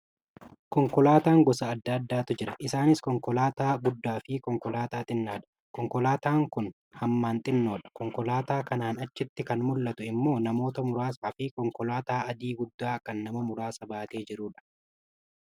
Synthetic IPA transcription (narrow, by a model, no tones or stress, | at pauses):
kɔŋkɔlaːt̪aːŋɡɔsɐːd̪ːaːd̪ːaːt̪ʊd͡ʒɪɾɐʔɪsaːnɪskɔŋkɔlaːt̪aːɡʊd̪ːaːfɪkɔŋkɔlaːt̪aːt̪ʼɪnːaːᶑɐ̥ | kɔŋkɔlaːt̪aːŋkʊn | hɐmːaːnt̪ʼɪnːo̞ːᶑɐ̥kɔŋkɔlaːt̪aːkɐnaːnɐt͡ʃːɪt̪ːɪkɐnmʊlːɐt̪ʊɪmːo̞ːnɐmo̞ːt̪ɐmʊɾaːsaːfɪkɔŋkɔlaːt̪aːɐd̪iːɡʊd̪ːaːkɐnːɐmɐmʊɾaːsɐbaːt̪e̞ːd͡ʒɪɾuːᶑɐ̥